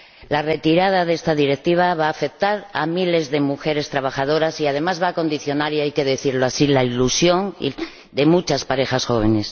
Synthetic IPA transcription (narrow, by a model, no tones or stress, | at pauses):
lare̞t̪iɾað̞aðe̞st̪aðiɾe̞k̚t̪iβ̞aβaːfe̞k̚t̪aɾamile̞zðe̞muxe̞ɾe̞st̪ɾaβ̞axaðo̞ɾasiað̞e̞mazβako̞nd̪iθjo̞naɾjajke̞ðe̞θiɾlo̞asilailusjo̞ŋḭ | d̪e̞mut͡ʃaspaɾe̞xasxo̞β̞e̞ne̞s